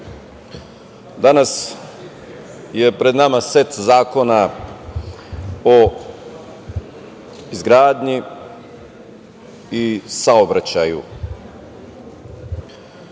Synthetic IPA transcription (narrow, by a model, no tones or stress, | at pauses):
d̪anas | je̞pɾe̞d̪namaset̪zaːko̞na | o | izɡɾaːd̪ɲi | isaobɾat͡ɕajṵ